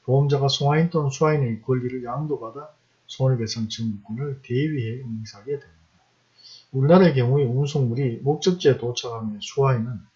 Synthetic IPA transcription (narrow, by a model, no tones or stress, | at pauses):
poʌmd͡ʑaɡasʰoŋɦaint͈ʌnsʰuainek͈ʌʎːiɾɯɭjaŋdobada | sʰonibe̞sʰaŋt͡ɕɯŋmuk͈onɯɭteɥiɦe̞ɯŋsʰaɡedwemida | uɭnaɾe̞k̬jʌŋueunsʰoŋmuɾimok̚t͡ɕ͈ɯk̚t͡ɕ͈etot͡ɕʰaɡaŋesʰuainɯn